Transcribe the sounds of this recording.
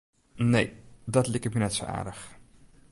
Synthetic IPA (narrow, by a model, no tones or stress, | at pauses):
nejdɑtlɪkətminɛtso̰a̰ːɹdəχ